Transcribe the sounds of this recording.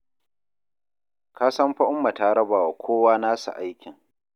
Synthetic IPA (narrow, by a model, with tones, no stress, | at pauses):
kaː˦sɐ˦mɸa˦ʔʊ˦mːa˨taː˦ɽɐ˦baː˨wa˨kʷʰoː˦waː˦naː˦sṵ˨ʔa˦jkʲɪ˨ŋ